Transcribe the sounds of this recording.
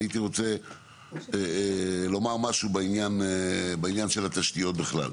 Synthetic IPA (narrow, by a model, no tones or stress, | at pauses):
it̪iʁo̞t͡se | lo̞maʁmaʃubeinjanbeinjanʃe̞lhat̪aʃt̪ijo̞t̪̚beχla̰l